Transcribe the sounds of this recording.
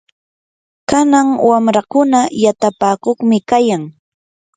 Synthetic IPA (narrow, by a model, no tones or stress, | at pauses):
kanaŋwamɾakʊnajat̪apaːkoχmɪkajaŋ